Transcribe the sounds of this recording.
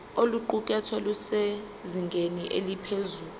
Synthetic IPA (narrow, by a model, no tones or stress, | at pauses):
oluǃukʼɛtʰwɛluse | ziŋɡʱeniʔelipʰezuːlu